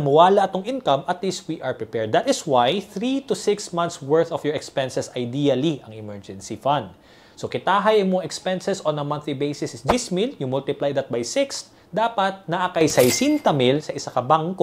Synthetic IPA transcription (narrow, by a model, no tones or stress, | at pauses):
ɐmʊwaːlɐʔɐt̪oŋʔinkɐmʔɐt̪list̪̚wiʔɐɹpɹɪpɛɹd̪ːɐt̪ɪswajθɾit̪ʊsɪksmɐ̃nt̪swɛɹθɔfjɔɹɛkspɛnsɛsɐjd̪iːɐliʔɐŋɪmɛɹd͡ʒɛ̃nsifɐnd̪ | sokɪt̪aːɦɐjɐŋmoŋɛkspɛnsɛsonɐmɐ̃nθlibejsɪsɪsd͡ʒismiljʊŋmʊlt̪ɪplajd̪ɐt̪̚bɐjsɪks | d̪aːpɐt̪̚nɐʔakɐjsɐjsint̪ɐmɪlsɐʔɪsɐkɐbaŋko